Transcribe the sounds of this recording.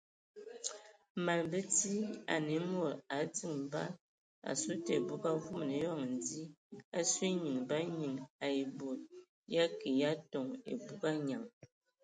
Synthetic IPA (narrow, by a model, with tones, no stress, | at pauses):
ma˨lbə˦ti˦a̰˨ne˨˦mo˦˨ɾa˨˦d͡zi˦˨ŋ˨ba̰˦ | a̰˨su˦te˨bu˦ɡa˦vu˦m˨ne˨˦jɔ˦˨ŋ˨n˨di˦a˦swi˦ɲɨ˨ŋba˦ɲi˨ŋa˨e˨bo˨t̚ | ja˦ke˨ja˦tɔ˨ŋḛ˨bu˦ɡa˦ɲa˨ŋ